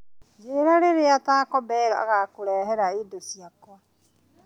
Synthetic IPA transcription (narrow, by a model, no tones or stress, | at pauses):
d͡ʒeɾaɾeɾeataːkɔbɛlɔa̰ɣakoɾɛːɦɛɾaidosiakwa